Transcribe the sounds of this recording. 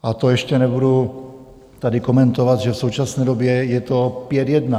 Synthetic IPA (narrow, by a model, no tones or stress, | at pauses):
ʔat̪ojɛʃcɛnɛbudu | t̪adɪko̞mɛnt̪ovad̪ʒɛfso̞wt͡ʃasnɛːdobjɛjɛt̪opjɛd̪jɛdna